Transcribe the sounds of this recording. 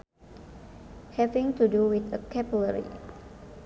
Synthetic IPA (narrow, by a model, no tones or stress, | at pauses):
hɛvɪ̃ŋt̪uduwit̪əkɛbuləɹḭ